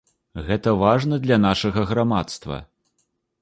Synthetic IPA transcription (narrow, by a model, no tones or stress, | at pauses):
ɣɛt̪ɐvaʐnɐd̪lʲɐnaʂɐɣɐɣɾamat̪st̪vɐ̰